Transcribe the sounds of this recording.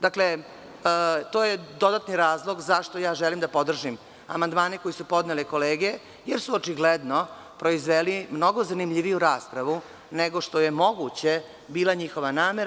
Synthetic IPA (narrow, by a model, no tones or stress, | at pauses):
d̪akle | t̪oːjed̪o̞d̪at̪niɾaːzlˠo̞ɡzaʃt̪ojaːʒɛlimd̪apo̞d̪r̩ʒim | a̰mand̪maːneko̞jisupo̞d̪neleko̞leːɡe | jeɾsuot͡ʂiɡled̪no̞ | pɾo̞izʋelimno̞ɡo̞zanimʎiʋijuɾaːspɾaʋu | neɡo̞ʂt̪o̞je̞mo̞ɡut͡ɕe̞ | biːlaɲixo̞ʋanaːmeɾa